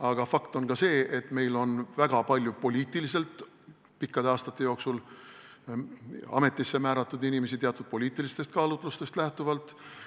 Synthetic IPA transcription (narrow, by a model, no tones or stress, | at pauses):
ɑɡ̥ɑfɑkt̪o̞nɡɑse̞ːet̪ːˑme̞jlo̞nvæɡ̥ɑpɑlʲjupo̞lʲiːt̪ilise̞lt̪ˑ | pikːɑd̪̥eɑːst̪ɑt̪ːe̞jo̞ːksul | ɑ̰me̞t̪ˑːisːe̞mæːɾɑt̪ːˑud̪inime̞sit̪eɑt̪ud̪̥̚po̞lʲiːt̪ːˑilist̪e̞st̪kɑːlut̪ːˑlust̪e̞st̪læht̪uvɑlt̪ˑ